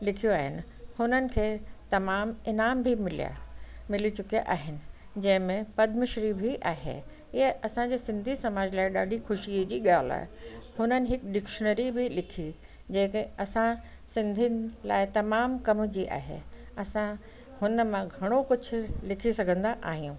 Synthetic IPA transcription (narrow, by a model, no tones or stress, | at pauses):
lɪkʰijoaːɦɪnɪ̆ | hʊnənɪ̆kʰeːt̪ɐmaːmɪnaːmbʱimɪlḭja̰mɪlit͡ɕʊkija̰ʔaːɦɪnɪ̆ | d͡ʑɐ̃ɦɪ̃mẽpɐd̪ʱmɪʃɾibʱiʔaːɦḛː | ɪɦəɐsãd͡ʑeːsɪ̃nd̪ʱisɐmaːd͡ʑlaːɪɗaːɗʱixʊʃid͡ʑiːɠaːla̰ːɦehʊnənɪ̆ɦɪkɗɪkʃənəɾibʱɪlɪkʰi | d͡ʑɐ̃ːkeɐsã | sɪ̃nd̪ʱinɪ̆la̰ːɪt̪ɐmaːmkɐmd͡ʑiːʔa̰ːɦḛ | ɐsã | hʊnə̆mãɡʱɐɽ̃okʊd͡ʑʰʱʊ̆lɪkʰisɐɡʱə̃nd̪aʔaːɦijũ